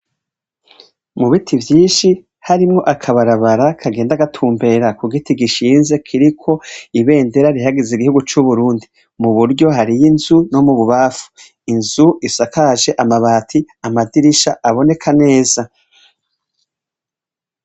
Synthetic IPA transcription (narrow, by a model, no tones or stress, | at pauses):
muβitʰivjiːnʃi | haɾimŋo̞ʔakʰaβaɾaβaɾakʰaɡe̞ːndaɡatʰuːmbe̞ɾakuɡitiɡiʃiːnze̞kʰiɾikʰo̞iβe̞ːnde̞ɾaɾiɦaɡeziɡihuɡut͡ʃuβuɾuːndi | muβuɾɟo̞ɦaɾijinzuno̞muβuβaːfu̥ | inzuisakaʒe̞ʔamaβaːtʰi | amadiɾiʃaʔaβo̞ne̞kʰane̞ːza